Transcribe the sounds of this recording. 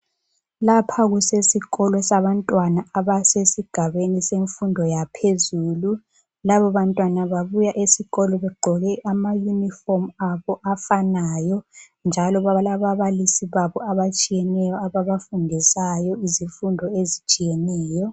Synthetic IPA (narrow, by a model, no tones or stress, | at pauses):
lapʰaɣusesiɣɔlɔsaβantʼwanaaβasesiɡ̥ʱaβeniseɱfundʱɔjapʰezuːlu | laβɔβantʼwanaβaβujaʔesiɣɔlɔβɛɡ͡ǃʱɔɣɛʔamajunifɔrmaβɔʔafanajɔ | nd͡ʒʱalɔβalaβaβalisiβaβɔaβat͡ʃʼijɛnɛjɔaβaβafundʱisajɔiziɱfundʱɔezit͡ʃʼijenɛːjɔ